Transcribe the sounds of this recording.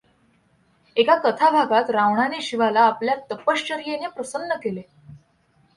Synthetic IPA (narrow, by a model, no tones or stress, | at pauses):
ekakət̪ʰabʱaɡat̪ɾaʋɳaneɕiʋalaːpljat̪əpəɕt͡ɕəɾjenepɾəsənːəkele